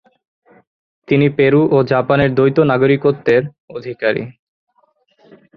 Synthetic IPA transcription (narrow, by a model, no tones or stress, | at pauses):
t̪inipeɾuʔod͡ʑapaneɾd̪ojt̪onaɡoɾikot̪ːeɾ | od̪ʱikaɾḭ